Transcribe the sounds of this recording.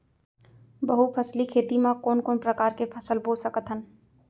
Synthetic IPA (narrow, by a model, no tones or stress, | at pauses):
bəɦupʰəslikʰeːt̪imãkoːnkoːnpɾəkaːɾkepʰəsəlboːsəkət̪ɦən